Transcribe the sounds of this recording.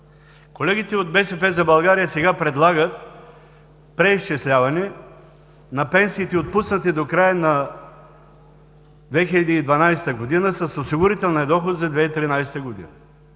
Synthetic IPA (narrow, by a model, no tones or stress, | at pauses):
kolɛɡit̪ɛod̪̚bɛsɛpɛzɐbɐlˠɡaɾijəsɛɡapɾɛd̪lˠaɡət̪̚ | pɾɛiʃt͡ʃɛslʲavɐnɛ | nɐpɛnsiːt̪ɛot̪̚pusnɐt̪id̪okɾajəna | d̪vɛxilʲɐd̪iːd̪vɐnajsɛ̥t̪əɡod̪inəsɐsosiɡʊɾit̪ɛlˠnɐd̪ɔxot̪zɐd̪vɛit̪ɾinajsɛ̥t̪əɡod̪ḭnɐ